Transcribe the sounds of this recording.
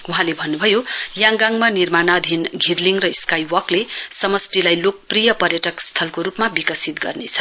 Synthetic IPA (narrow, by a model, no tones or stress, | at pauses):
uɦãlebʱʌnːubʱʌjojãŋɡaŋmanirmanad̪ʱinɡʱirliŋrʌiskajwʌklesʌmʌsʈilajlok̚prijʌpʌrjʌʈʌkst̪ʰʌlkoɾupmabikʌsit̪ɡʌ̰rnet͡sʰʌ̥